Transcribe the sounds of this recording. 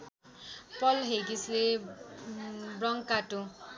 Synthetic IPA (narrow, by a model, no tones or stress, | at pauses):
pɔlɦejɡisle | bɾɔŋkatu